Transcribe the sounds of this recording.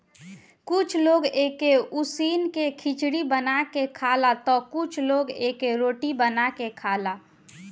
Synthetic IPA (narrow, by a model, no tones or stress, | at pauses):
kʊt͡ʃʰloːɡeːkeusiːnkekʰɪt͡ʃɽibənakekʰaːlat̪ɔkʊt͡ʃʰloːɡeːkeɾoːʈibənakekʰaːla